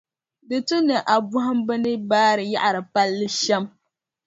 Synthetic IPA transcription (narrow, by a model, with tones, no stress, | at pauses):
dɨ˨tu˦nɨ˨ʔa˨bʊ˦ɦʊ˦mbɨ˦nɨ˦baː˦ɾɨ˨ja̰˦ʔa˨ɾɨ˨pa˦lːɨ˦ʃɛ˦m